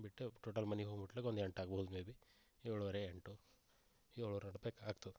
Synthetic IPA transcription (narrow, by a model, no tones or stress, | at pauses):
biʈːeʈoːʈɐlmɐniɦoːɡbiʈːleːkod̪eɳʈaːɡɐbɐɦud̪umeːbi | eːɭuʋɐɾeeɳʈu | eːɭuʋɐɾeɐɽbekaːɡt̪ɐu